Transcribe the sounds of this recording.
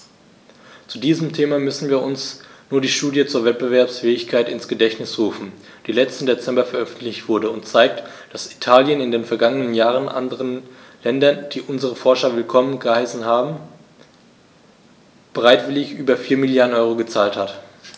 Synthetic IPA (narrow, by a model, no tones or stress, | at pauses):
t͡sudiːzəmtʰeːmamʏsn̩viːɐʊnsnuːɐdiːʃtuːdjət͡suːɐvɛt̚b̥əvɛɐpsfɛːɪçkʰaɪtɪ̰nsɡ̥ədɛçtnɪsʁuːfn̩ | d̥iːlɛt͡stn̩det͡sɛmbɐfɛɐʔœfn̩tlɪçtv̥ʊɐdəʊntt͡saɪk̚td̥asi̥tʰaːljənɪndeːnfɛɐɡaŋənənjaːʁənʔa̰ndəʁən | lɛndɐnd̥iːʔʊnzəʁəfɔɐʃɐvɪlkʰɔmənɡəhaɪsn̩haːbm̩ | b̥əʁaɪtv̥ɪlɪçʔyːbɐfiːɐmɪljaːdn̩ʔɔʏʁoɡət͡saːlthat